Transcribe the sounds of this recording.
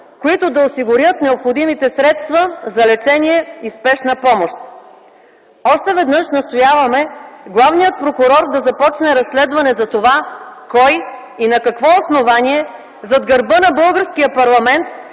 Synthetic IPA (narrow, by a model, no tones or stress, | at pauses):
koit̪ʊd̪ɐosiɡʊɾjət̪nɛopxod̪imit̪ɛsɾɛt̪st̪vɐzɐlɛt͡ʃɛniɛispɛʃnəpɔmoʃt̪̚ | ɔʃt̪ɛvɛd̪nɤʃnɐst̪ojavɐmɛɡlˠavnijət̪̚pɾokʊɾɔɾd̪ɐzɐpɔt͡ʃnɛɾɐsːlɛd̪vɐnɛzɐt̪ovakɔj | inɐkɐkvɔosnovaniɛ | zɐd̪ɡɐɾbɤnɐbɤlˠɡəɾskijəpɐɾlˠɐmɛnt̪̚